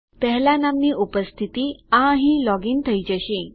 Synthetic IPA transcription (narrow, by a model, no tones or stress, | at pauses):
t̪əɦlanamniːʔupəst̪ʰit̪iːãɦĩlɔɡint̪ʰəjd͡ʑəɕĩ